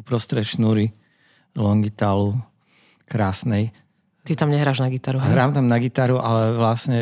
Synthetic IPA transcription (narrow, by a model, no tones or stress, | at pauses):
upɾɔst̪ɾɛʃnuɾi | lɔŋɡit̪aːlu | kɾaːsnɛj | t̪it̪amɲɛɦɾaːʒnaɡit̪aɾuɦɾaːmt̪amnaɡit̪aɾuʔalɛʋlasɲɛ